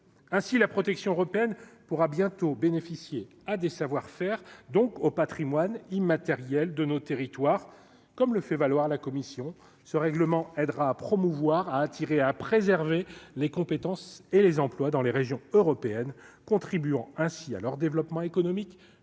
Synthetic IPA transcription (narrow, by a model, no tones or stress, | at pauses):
ɛ̃silapχɔt̪ɛksjɔ̃øʁɔpeɛnpuʁabjɛ̃t̪obenefisje | ad̪esavwaʁfɛʁd̪ɔ̃kopat̪χimwanimat̪ɛʁjɛld̪ənot̪eʁit̪waʁ | kɔmləfɛvalwaʁlakɔmisjɔ̃ | səʁɛɡləmɑ̃ɛd̪ʁaːpχɔmuvwaʁaːt̪ʰiʁeapχezɛʁvelekɔ̃pet̪ɑ̃selezɑ̃plwad̪ɑ̃leʁeʒjɔ̃øʁɔpeɛnkɔ̃t̪χibyɑ̃ɛ̃sia̰lœʁd̪evlɔpmɑ̃ekɔnɔmik